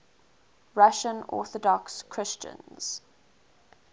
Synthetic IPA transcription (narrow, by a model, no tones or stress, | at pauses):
ɹaʃə̃nɔ̰ˑθɔdɔkskʰɹ̥ɪst͡ʃə̰̃nz̥